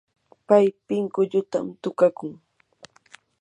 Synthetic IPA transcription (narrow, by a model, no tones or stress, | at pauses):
pajpɪŋkʊʎʊt̪a̰mt̪ʊkakʊŋ